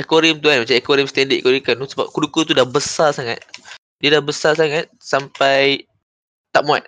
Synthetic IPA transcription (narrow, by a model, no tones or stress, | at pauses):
ɛkoɾimt̪uanmat͡ʃamɛkoɾimst̪ɛndiʔɛkoɾikanusəba̰p̚kudukut̪̬udahbəsarsaŋa̰t̪̚ | diadahbəsasaŋat̪̚sampaj | t̪aʔmua̰t̪̚